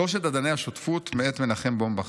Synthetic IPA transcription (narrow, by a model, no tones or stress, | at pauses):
oʃ̬ed̪ad̪anejhaʃot̪fut̪meet̪menaχembombaχ